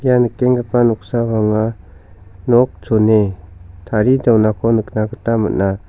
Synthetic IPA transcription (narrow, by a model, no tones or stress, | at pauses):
janɯkːeŋɡəpanuk̚saβaŋa | nɔk̚t͡ʃonetʰaɾidawnakʰɔnɯk̚naɡɯtamɯ̰na